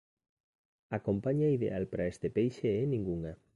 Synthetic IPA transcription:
akompaɲaiðḛalpɾaest̪epejʃeenĩŋɡuŋa

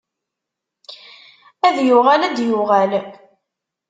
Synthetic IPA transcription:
æðjʊʁælæd̪jʊʁæl

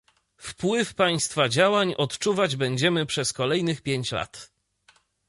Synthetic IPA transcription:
fpwɘfpaj̃st̪fad͡ʑawaɲɔt̪t͡ʂuvad͡ʑbɛɲd͡ʑɛmɘpʂɛskɔlɛjnɘxpʲjeɲt͡ɕla̰t̪

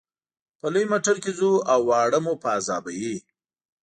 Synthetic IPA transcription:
pəlujmaʈəɾkezuawːɑɽəmupəːzɑ̰baji

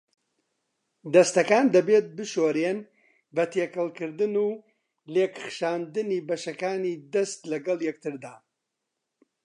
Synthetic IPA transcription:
d̪ɐst̪ɐkaːnd̪ɐbeːt̪̚bɨʃoːɾen | bɐt̪ʰeːkɐlˠkɨɾd̪ɨnuː | leːkɨxʃaːnd̪ɨniːbɐʃɐkaːniːd̪ɐst̪lɐɡɐlˠjɛk̚t̪ʰɨɾd̪aː

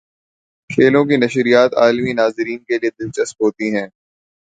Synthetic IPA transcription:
kʰeːlõk̬inɐʃɾijaːt̪a̰ːlminaːzɪɾiːnkelied̪ɪnt͡ʃəspɦoːt̪iɦɛ̃ː

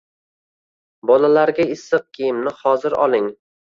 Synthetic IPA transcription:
bɒlalaɾɡʲaɪsːɨq̚kʲʰijɪmnɪhɒzɪɾɒ̰lˠɪŋ

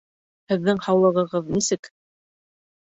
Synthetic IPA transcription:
hɘ̆ðːɘŋhɑwlˠɤ̆ʁɤ̆ʁɤðnisɘk

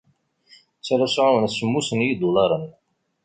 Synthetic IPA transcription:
t͡sːæɾæsʕawənsəmːusənjid̪ulɑɾˤən

